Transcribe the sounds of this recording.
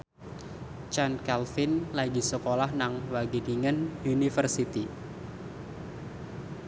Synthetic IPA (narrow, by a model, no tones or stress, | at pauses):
t͡ʃankɛlfɪnlaɡisəkolahnaŋwaɡidiŋənunifərsit̪i